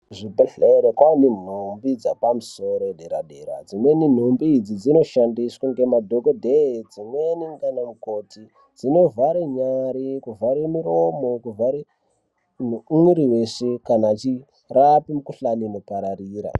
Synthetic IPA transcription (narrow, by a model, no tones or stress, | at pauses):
ʐibuɬeɾekwanin̤umbid͡zapamuso̞ɾoɗeɾaɗeɾa̰d͡zimwenin̤umbiːd͡zid͡zino̞ʃandiswaŋɡe̞madʱokodʱed͡zimweniŋɡanamuko̞tʰi | d͡zino̞vaɾeɲaɾikuvaɾemiɾo̞mo̞kuvaɾe | nuiɾiweʂekanaːt͡ʃi | rapimukuɬaninopaɾaɾiːɾa̰